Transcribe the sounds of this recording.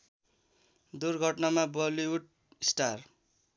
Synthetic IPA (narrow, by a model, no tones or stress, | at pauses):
d̪urɡʱʌʈnamabʌliwuɖ | isʈar